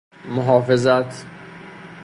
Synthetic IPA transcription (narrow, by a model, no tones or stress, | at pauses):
mʊɦɑːfezat̪ʰ